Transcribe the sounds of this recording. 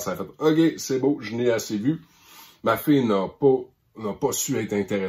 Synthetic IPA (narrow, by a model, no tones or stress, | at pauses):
saːfɛt̪ɔk̬ʲesɛboʒneasevy | mafejnapɔ | nəpɔsyɛɪt̪χɛ̃t̪eʁɛ